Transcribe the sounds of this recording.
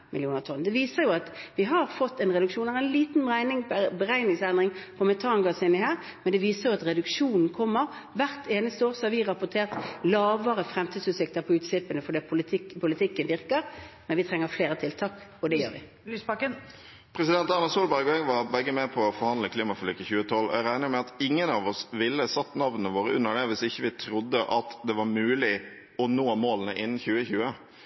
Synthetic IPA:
mʔɪ̰lɪuːnəʁt̪ʰɔnːd̪ɛʋiːsəɾjʊɑt̪ʋɪɦɑɾfɔt̪ːɛnʁɛd̪ʉkʂuːnɑɾɛɪnliːt̪n̩ʁæɪnɪŋbəɾæɪnɪŋsɛnd̪ʁɪŋpʰɔmɛt̪ʰɑːŋɡɑsɪnɪhæːʁ | mɛnd̪ɛʋiːsəʁjʊɑt̪ɾɛd̪ʉkʂuːnn̩kʰɔmːəʁ | ʋæʁt̪ʰeːnəst̪əoːɾsɔhɑʋɪʁɑpʊt̪ʰeːʁt̪lɑːʋəʁəfɾɛmt̪ʰiːd̪sʉːt̪sɪk̚t̪əpʰɔʉːt̪sɪpːənəfɔd̪ɛːpʰʊlɪpʰʊlɪt̪ʰɪkːənʋɪʁkəɾmɛnʋɪt̪ʰɾɛŋːəɾfleːɾət̪ʰɪlt̪ʰɑːkɔd̪ɛjøːɾʋɪ̰ | lyːspɑkən | pʰɾɛsɪd̪ɛnt̪ɑɾmɑsuːlbæɾɡɛɡʋɑɾbɛɡːəmɛpʰɔɔfɔɾhɑnd̪ləkʰliːmɑfɔlyːkːəçʉːət̪ʰɔlɔ̰æɪɾæɪnəmɛɑt̪ɪŋːənɑʋɔsʋɪlːəsɑt̪ːnɑʋnəəʋoːɾəʉ̰nːəɖɛʋɪsɪçːəʋɪt̪ʰɾʊd̪ːəʔɑt̪d̪ɛʋɑɾmʉːlɪ | ɔnoːmoːlənəʔɪnːn̩çʉːəçʉːə

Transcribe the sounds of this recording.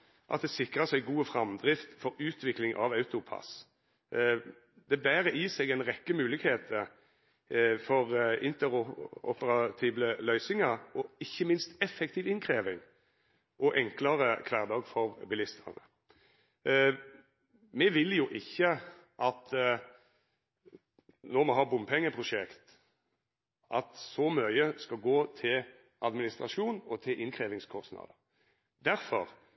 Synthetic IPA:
ʔɑt̪̚d̪ɛsɪkʁəsæɪɡuːəfʁɑmd̪ʁɪft̪fɔɾʉːt̪ʋɪklɪŋʔɑ̰ʋɑʉt̪ʊpʰɑ̰s | d̪ɛbæːɾəʔiːsɛɡɛnʁɛkːəmʉːlɪɡheːt̪ʰə | fɔʁɪnt̪əʁɔ̰pəʁɑt̪ʰiːbləlœʏsɪŋɑɾɔɪçːəmɪnst̪ɛfɛk̚t̪ʰiːʋɪnkʰʁeːʋɪŋ | ʔɔʔɛŋklɑʁəkʰʋæːʁd̪ɑːɡfɔʁbɪlɪst̪ʰə̰ʁnə | mɛʋɪljʊʔɪçːə | ʔɑt̪ | nɔʁmɛɦɑːbʊmpʰɛŋːəpʰʁʊʂɛkt̪ | ʔɑt̪sɔmœʏəskɑɡoːt̪ʰɪl | ʔɑd̪mɪnɪst̪ʁɑʂuːnɔt̪ʰɪlʔɪnkʰɾeːʋɪŋskʰɔst̪nɑ̰d̪ə | d̪æɾfɔʁ

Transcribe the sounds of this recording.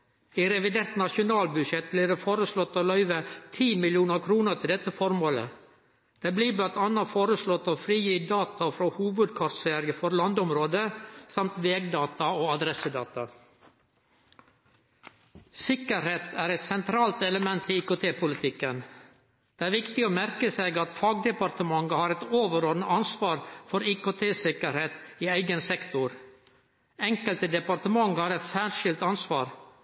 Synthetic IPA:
iːɾɛʋɪd̪eːɾt̪nɑʃʊnɑːlbʉʃɛt̪̚bliːɖeːfoːɾəslɔt̪ːoːlœʏʋət̪ʰiːmɪljuːnəɾkʰɾuːnəɾt̪ʰɪld̪ɛt̪ːəfɔɾmoːlə̰ | d̪̥ebliːblɑnt̪ɑnːɑfoːɾəslɔt̪ːoːfɾiːjiːd̪ɑːt̪ɑfɾoːhuːʋəd̪kʰɑɾsæɾɡəfɔɾlɑnd̪ʊmɾoːd̪əsɑmt̪ʋeːɡd̪ɑːt̪ɑoːɑd̪ɾɛsəd̪ɑ̰ːt̪ɑ | sɪkəɾheːt̪ʰæːɾɛt̪sɛnt̪ʰɾɑːlt̪ɛləmɛnt̪iiːkʊːt̪ʰeːpʰʊlɪt̪ʰɪkːən | d̪̥eɛːæːɾʋɪkt̪ɪoːmæɾkəseːɡɑt̪fɑːɡ̚d̪ɛpɑɾt̪əmɑŋəhɑːɾɛt̪oːʋəɾoːɾnəɑnsʋɑːɾfɔɾiːkoːt̪ʰeːsɪkəɾheːt̪iːæɪɡənsɛkt̪ʊɾ | ɛŋkəlt̪əd̪ɛpɑɾt̪əmɑŋhɑːɾɛt̪sæːɾʃɪlt̪ɑnsʋɑːɾ

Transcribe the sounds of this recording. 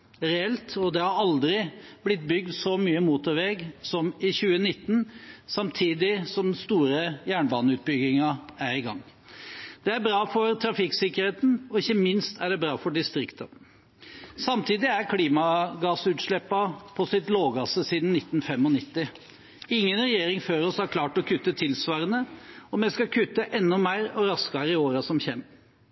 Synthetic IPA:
ɾɛɛlt̪ɔd̪ɛhɑɾɑld̪ɾɪblɪt̪̚bʏɡ̚d̪sɔmyːəmuːt̪ɔɾʋɛɡsɔmɪçʉːənɪt̪ːn̩sɑmt̪ʰiːd̪ɪsɔmd̪n̩st̪uːɾəjæːɳbɑːnəʉːt̪̚bʏɡɪŋɑæɾɪɡɑ̰ŋː | d̪̥ɛæɾbɾɑːfɔɾt̪ʰɾɑfɪksɪkəɾheːt̪n̩ɔɪçːəmɪnst̪ʰæɖɛbɾɑːfɔɖɪst̪ɾɪkt̪ə | sɑmt̪ʰiːd̪ɪæɾkʰliːmɑɡɑːsʉːt̪ʂɭɛpːɑpʰɔsɪt̪loːɡɑːsəsiːd̪n̩nɪt̪ːn̩fɛmɔnɪt̪ːɪ | ɪŋːənɾɛjeːɾɪŋføːɾɔshɑɾkʰlɑːʈɔkʰʉt̪ːət̪ʰɪlsʋɑːɾənəɔmɛskɑkʰʉt̪ːəʔɛnːɔmæɪɾɔɾɑskɑɾɪoːɾɑsɔmçɛm

